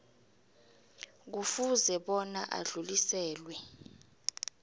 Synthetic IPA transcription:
k̬ufuzɛɓɔnaʔa̰ɮulisɛːlwɛ

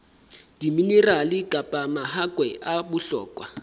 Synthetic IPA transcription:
d̥imineralɪkʼapʼamaɦakʼwɛʔabʊɬɔ̰ːkʼwa

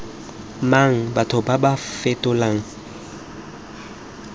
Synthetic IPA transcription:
maŋ̩batʰʊbabafetʼʊlaŋ̩

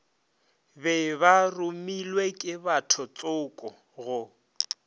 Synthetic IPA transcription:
bɛbarʊmilwekʼɪbatʰɔt͡sʼʊːkʼɔ | ɣʊ

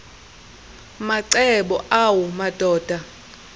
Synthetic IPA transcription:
maǀɛɓɔʔawumad̥ʱɔːd̥ʱa

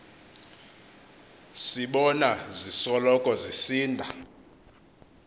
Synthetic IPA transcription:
siɓɔnazisɔlɔkʼɔzisiːndʱa

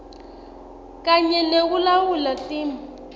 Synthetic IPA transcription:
kaɲɛnek̬ulawulatiːma

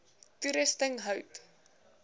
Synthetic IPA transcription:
tuɾəstəŋɦœwt

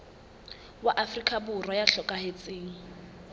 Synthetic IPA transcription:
waʔafrikʼaburwɔjaɬɔkʼahet͡sʼɪːŋ̩

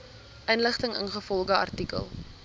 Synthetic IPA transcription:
ʔənləχtəŋə̰nχəfɔlˠχəɐ̰rtikə̰lˠ

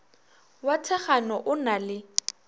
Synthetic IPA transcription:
watʰɛχanɔʔʊnalɪ

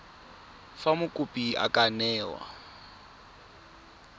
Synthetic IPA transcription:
famʊkʼʊpʼia̰kʼanɛːwa̰

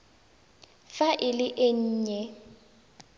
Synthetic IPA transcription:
faʔɪlɪʔɪɲ̩ːɲɛ

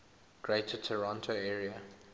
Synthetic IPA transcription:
ɡ̥ɹetʰətʰəɹɑ̃ntʰoɛːɹiə

